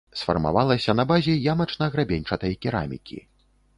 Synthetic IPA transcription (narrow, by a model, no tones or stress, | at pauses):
sfɐ̰rma̰valˠɐsʲɐnɐbazʲɛjamɐt͡ʂnɐɣɾabʲenʲt͡ʂɐt̪ɐjɐkʲiɾa̰mʲḭkʲʰḭ